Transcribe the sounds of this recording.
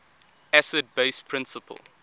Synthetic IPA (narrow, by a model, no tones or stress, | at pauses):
æsəd̚beɪspʰɹɪ̃nsəpʰə̰lˠ